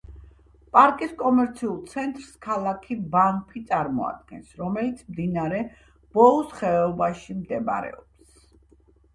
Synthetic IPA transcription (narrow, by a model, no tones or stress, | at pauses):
pʼaɾkʼiskʼɔmɛɾt̪sʰiulˠt̪sʰɛnt̪ʼɾskʰalˠakʰibanpʰit̪sʼaɾmɔa̰d̪̚ɡɛnsɾɔmɛlit̪sʰmd̪inaɾɛ | b̥ɔlˠɔsχɛɔbaʃimd̪ɛma̰ɾɛ̰ɔps